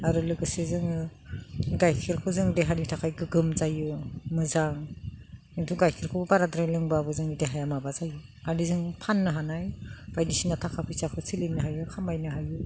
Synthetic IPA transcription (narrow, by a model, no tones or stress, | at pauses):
aɾɯlɯɡɯsezɯŋɯ | ɡajkʰiɾkʰɯzɯŋdeɦanitʰakʰajɡɯɡɯmzajumɯzaŋ | itʰuɡajkʰiɾkʰobbaɾadɾajlɯŋbabɯzɯŋideɦajamabazaju | anizɯŋpʰanːɯɦanajb̥ajdisinatʰakʰapʰisakʰɯsilinnɯɦajukʰamajnɯɦaju